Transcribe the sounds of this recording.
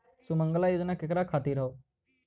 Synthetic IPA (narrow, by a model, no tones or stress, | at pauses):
sʊməŋɡəlaːiʊd̪nãːkɪkɾaːkʰaːt̪iːɾəoː